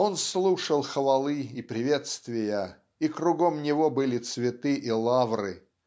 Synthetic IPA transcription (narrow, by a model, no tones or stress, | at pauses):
o̞nslˠuʂəlˠxəvɐlˠɨipɾʲɪvʲet̪st̪vʲɪjə | ikɾʊɡomnʲɪvobɨlʲɪt̪svʲɪt̪ɨʔilˠavrɨ̰